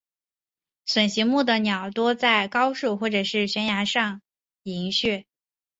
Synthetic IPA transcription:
swə˨˩nɕi˧˥mu˥˩d̪ə˩njɑ˨˩ʊt̪wɔ˥t͡sa˥˩ɪkɑ˥ʊʂu˥˩xwɔ˥˩ʈ͡ʂɤ˨˩ʂɻ̩˥˩ɕɥɛ˧˥nja˧˥ʂɑ˥˩ŋ | i˧˥ŋɕɥɛ˥˩

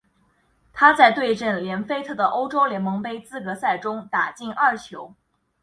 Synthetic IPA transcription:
t̪ʰa˥t͡sa˥˧ɪt̪we˥˧ɪʈ͡ʂə˥˩nljɛ˧˥nfe˥ɪt̪ʰɤ˥˩d̪ə˩ʔo˥ʊʈ͡ʂo˥ʊljɛ˧˥nmɤ˧˥ŋpe˥ɪt͡sɹ̩˥kɤ˧˥sa˥˩ɪʈ͡ʂʊ˥ŋt̪a˨˩t͡ɕi˥˩nʔɐ˞˥˩t͡ɕʰjo˧˥ʊ

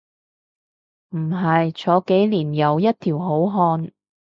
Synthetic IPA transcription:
m̩˨˩ɦɐ˨jt͡ʃʰɔː˨˥ke˨˥jliː˨˩njɐ˨˧wjɐ˥t̚t̪ʰiː˨˩wɦo˨˥wɦɔː˧n

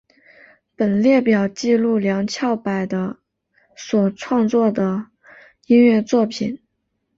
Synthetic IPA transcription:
pə˨˩nljɛ˥˩pjɑ˨˩ʊt͡ɕi˥˧lu˥˩ljɑ˧˥ŋt͡ɕʰjɑ˥˩ʊpa˨˩ɪd̪ə˦ | swɔ˨˩ʈ͡ʂʰwɑ˥˧ŋt͡swɔ˥˩d̪ə˩ | i˥nɥɛ˥˧t͡swɔ˥˩pʰi˨˩˦n

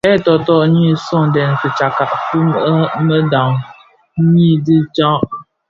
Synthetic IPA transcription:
ɛ˦tɔ˨tɔ˦ʔɲi˦sɔ˦ŋdɛ˨n˨sɨ˨t͡ʃa˨ka˨ʔfu˦mə˦mə˦da˨ŋ˦ | ɲi˦dɨ˦t͡ʃa˦ʔ

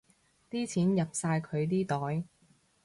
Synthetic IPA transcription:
t̪iː˥t͡sʰiː˨˥njɐ˨p̚saː˧jkʰɵ˨˧ɥt̪iː˥t̪ɔː˨˥j

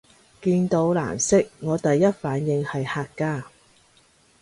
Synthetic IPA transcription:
kiː˧nt̪o˨˧wla̰ː˨˩msɪ˥k̚ŋɔː˨˧t̪ɐ˨jːɐ˥t̚faː˨˥njɪ˧ŋhɐ˨jhaː˧kːaː˥

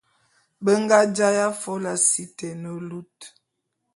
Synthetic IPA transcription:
bə˦ŋɡa˦d͡ʒa˦ja˦fɔ˦la˨si˦tɛ˨nə˨lu˦t

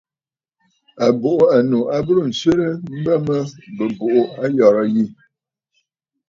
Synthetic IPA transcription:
a˨bo˨ʔo˦a˨nu˨a˦bə˦ɾə˦˨n̩˨se˦ɾə˦m̩˦bə˦mə˦bə˨bo˨ʔo˦a˦jɔ˨ɾə˦ji˦˨

